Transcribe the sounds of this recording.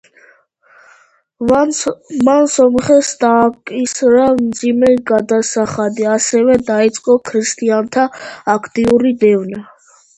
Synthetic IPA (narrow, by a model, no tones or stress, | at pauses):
mansɔmχɛsd̪aːkʼisɾamd̪zimɛɡad̪asaχad̪iasɛvɛd̪ait̪sʼqʼɔkʰɾist̪ʼiant̪ʰaːkʰt̪ʼiuɾid̪ɛvna